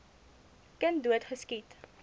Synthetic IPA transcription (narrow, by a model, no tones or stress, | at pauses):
kəntduətχəskit